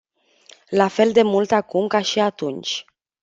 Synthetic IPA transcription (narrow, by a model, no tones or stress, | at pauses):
lafe̞ld̪e̞mult̪akumkaʃiat̪unt͡ʃʲ